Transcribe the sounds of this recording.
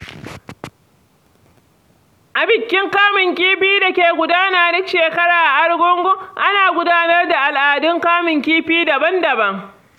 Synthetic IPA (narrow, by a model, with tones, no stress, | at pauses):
ʔa˨bɪ˨kʲːɪ˦ŋkaː˦mɪ˨ŋkʲiː˦ɸiː˦da˨kʲeː˨ɡʷʊ˦daː˦naː˨dʊ˦kʃeː˨kɐ˦ɽaː˨ʔa˨ʔa˦ɽɡʷɔ˦ŋɡʷo˦ʔa˦naː˨ɡʷʊ˦daː˦nɐ˦rda˨ʔa˨lʔaː˨dɪ˦ŋkaː˦mɪ˨ŋkʲiː˦ɸiː˦da˨bɐ˦ndɐ˨bɐ˦ŋ